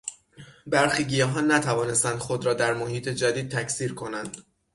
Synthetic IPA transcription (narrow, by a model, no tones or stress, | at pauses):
bæɾxiːɟijɒɦɒːnnːæt̪ʰævɒːne̞st̪ænd̪̥xo̞d̪ɾɒːd̪æɾmohiːt̪ʰe̞d͡ʒæd̪iːd̪̚t̪ʰæcʰsiːɾkʰo̞nænd̪̥